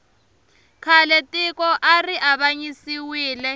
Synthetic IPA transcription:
kʰalɛtʼikʼɔʔariʔaβaɲisiwiːlɛ

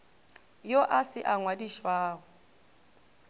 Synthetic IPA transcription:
joʔasɪʔaŋwadiʃwaːɣʊ

